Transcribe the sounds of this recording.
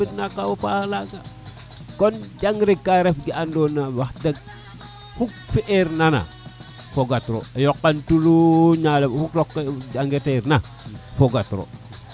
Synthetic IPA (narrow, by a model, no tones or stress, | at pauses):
itnakːawapahalaɡa | kond͡ʒaŋɡɾikːaɾefɡiandonawaxteɡ̚ | fuk̚fiʔeɾnana̰ | foɡatɾo̰ejokːantuluɲalemfuklokːd͡ʒaŋɡeteɾna | foɡatɾo̰